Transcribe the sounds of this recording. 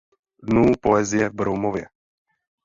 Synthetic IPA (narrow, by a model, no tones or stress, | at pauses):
d̪nuːpɔɛzɪɛbɾɔwmɔʋjɛ